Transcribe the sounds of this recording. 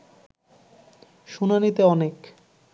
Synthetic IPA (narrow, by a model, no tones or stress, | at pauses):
ʃunanit̪eɔnek